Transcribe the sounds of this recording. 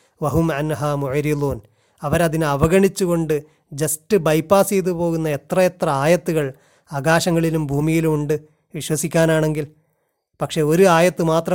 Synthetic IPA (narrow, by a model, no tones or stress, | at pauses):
ʋɐɦumʕanɦaːmuʕɾiðuːn | ɐʋɐɾɐðinɐʋɐɣɐɳit͡ɕːuɣo̞ɳɖɨ | d͡ʑɐstɨbɐjpːaːsejt̪̬ːupo̞ːɣunːɐe̞t̪rɐe̞t̪rɐaːjɐt̪ːuɣɐɭ | aːɡaːɕɐŋːɐɭilumbʱuːmijilumuɳɖɨ | ʋiɕwɐsikʲːaːnaːɳe̞ŋɡil | pɐkʂe̞o̞ɾuaːjɐt̪ːɨmaːt̪rɐ